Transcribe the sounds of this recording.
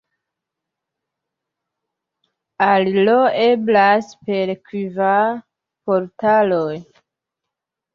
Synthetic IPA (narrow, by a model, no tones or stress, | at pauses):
aliloeblaspe̞ɾkwiva | poɾtaloj